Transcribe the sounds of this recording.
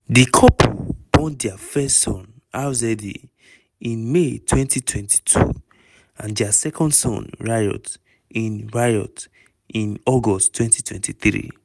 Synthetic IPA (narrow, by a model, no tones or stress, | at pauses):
dikʰɔpṵbɔ̃ntdiafɛstsɔ̃n | azɛdḭ | ĩnmetʰwɛ̃ntʰitʰwɛ̃nti̥tʰṵ | ãndiasɛkʰɔ̃ndsɔ̰̃nɹajɔ̰t | ĩnɹajɔ̰t | ĩnɔɡɔstːwɛ̃ntʰitʰwɛ̰̃ntʰiθɹḭ